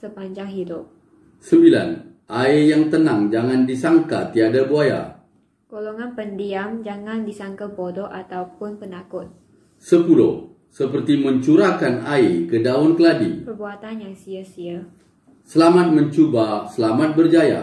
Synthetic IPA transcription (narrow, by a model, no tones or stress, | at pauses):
səpaɲd͡ʒaŋɦidʊp̚ | səmbila̰n | ʔaejaŋt̪ənaŋd͡ʒaŋandisaŋka̰t̪iadabuaja̰ | ɡ̥olɔŋanpəndiamd͡ʒaŋandisaŋkapodɔʔat̪awpʊnpənakʊt̪̚ | səpulɔ̰ | səpərt̪iməɲt͡ʃuɾakanaekədaɔnkəladḭpərbuat̪anjaŋsiasia | səlamat̪̚məɲt͡ʃubasəlamat̪̚bərd͡ʒaja̰